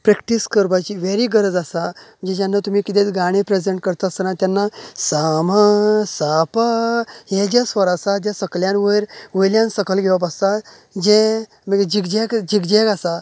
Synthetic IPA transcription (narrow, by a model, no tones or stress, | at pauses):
pɾɛkʈiskəɾbat͡ɕiʋeɾiɡəɾəd͡zasam̤ənd͡zed͡ʑjanːat̪um̤iːkit̪ẽt͡sɡaɽ̃ẽpɾezeɳʈ̚kəɾt̪asənãt̪janːasamasapaɦed͡ʑesʋəɾasad͡ʑẽsəkljãnʋəɾʋəjljãnsəkəlɡʱeʋəp̬ast̪a | d͡ʑe | məɡed͡ʑikd͡ʑekd͡ʑikd͡ʑekasa